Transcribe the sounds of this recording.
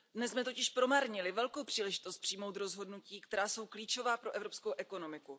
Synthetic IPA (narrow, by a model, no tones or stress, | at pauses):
dnɛsmɛt̪ocɪʃpɾo̞maːɾɲɪlɪvɛlko̞wpr̥iːlɛʒɪt̪o̞st̪̚pr̥ijmo̞wt̪ɾo̞zɦo̞dnuciːkt̪ɛɾaːso̞wkliːt͡ʃo̞vaːpɾo̞ʔɛvɾo̞pskowʔɛko̞no̞mɪku